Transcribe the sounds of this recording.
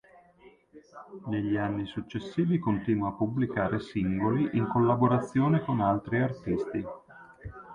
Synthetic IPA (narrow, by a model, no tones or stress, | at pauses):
neʎːianːisut͡ʃːesːiːvikont̪iːnwapːublikaːɾesiŋɡoliʔiŋkolːaboɾat̪sːjoːnekonalt̪ɾiart̪ist̪i